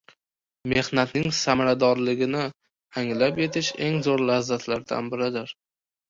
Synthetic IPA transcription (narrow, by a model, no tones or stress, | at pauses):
me̞hnat̪nɪŋsamaɾad̪ɒɾlɪɡʲɪnɪ | aŋlapje̞t̪ʰɪʃe̞ŋzoɾlazːat̪ʰlaɾd̪a̰nbɪɾɪd̪ɪɾ